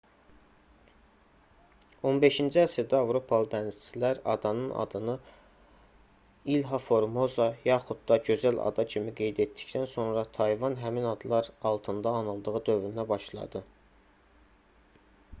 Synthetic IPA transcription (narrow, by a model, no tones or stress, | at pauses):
o̞nbe̞ʃind͡ʒiæsed̪æɑvɾo̞pʰɑlˠɯd̪ænizt͡ʃʰilæɾɑ̰d̪ɑnɯnɑ̰d̪ɯnɯ | ilɦɑfo̞ɾmo̞zɑjɑχud̪̚d̪ɑɟø̞zælɑ̰d̪ɑcʰimiɡe̞jd̪e̞t̪d̪i̥çd̪ænso̞nɾɑt̪ʰɑjvɑnɦæminɑd̪lˠɑɾɑlˠt̪ʰɯnd̪ɑːnɯlˠd̪ɯʁɯd̪ø̞vɾynæbɑʃlˠɑ̰d̪ɯ